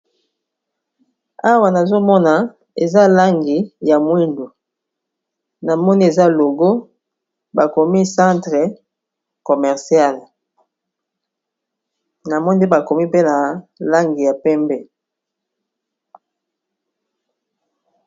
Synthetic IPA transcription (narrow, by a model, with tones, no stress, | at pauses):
a˦wa˨na˨zo˦mɔ˦na˨ | e˨za˦la˦ŋɡi˨ja˨mwi˦ndo˨ | na˨mɔ˦ni˦e˨za˦lo˨ɡo˦ | ba˨ko˨mi˦sã˦ntʁɛ˨ | ko˨mɛ˨ʁsi˦a˦˨l | na˨mɔ˦n˦de˦ba˨ko˨mi˦pe˦na˨la˦ŋɡi˨ja˨pɛ˦mbɛ˦˨